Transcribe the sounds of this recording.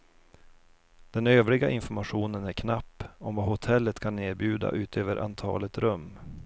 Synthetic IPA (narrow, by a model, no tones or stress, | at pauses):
d̪̥ɛnøːvɾɪɡaʔɪnfɔɾmaɧuːnənæɾkʰnapːɔmvahʊt̪ʰɛlːət̪kʰanːeːɾbjʉ̟ːd̪a̰ʔʉ̟ːt̪ʰøːvəɾʔa̰nt̪ʰɑ̰ːlət̪ɾɵmː